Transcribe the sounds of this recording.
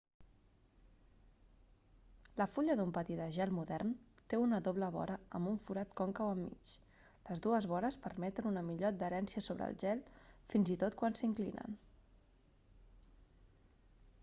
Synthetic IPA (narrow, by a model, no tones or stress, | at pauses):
ləfuʎəðumpət̪id̪əʒɛlˠmuðɛrnt̪eunəðoβləβɔ̰ɾəəmbuɱfuɾat̪kɔŋkəwəmːḭt͡ʃ | ləzðuəzβɔɾəspərmɛt̪ənunəmiʎoəd̪̚d̪əɾɛnsiəsoβ̞ɾə̰lˠʒɛlˠfinzit̪ot̪̚kwansiŋklḭnə̰n